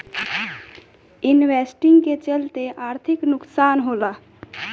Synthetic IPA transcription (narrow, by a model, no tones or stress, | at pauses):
ɪnwesʈɪŋɡket͡ʃəlt̪eʔaːɾt̪ʰɪknʊksaːnɦoːla